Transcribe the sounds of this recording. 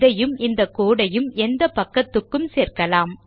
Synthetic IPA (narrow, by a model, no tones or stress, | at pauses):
ðɐjɯmɪnd̪ɐkoːɽɐjɯmɛnd̪ɐpɐkːɐt̪ːɯkːɯmseːɾkɐlaːm